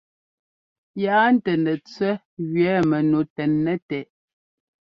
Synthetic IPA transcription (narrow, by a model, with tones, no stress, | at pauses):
ja˨a˦n̩˦tɛ˨nɛ˨t͡swɛ˦ | ɣɥɛ˨˦mɛ˨no˨tɛ˨nːɛ˦tɛ˨ʔ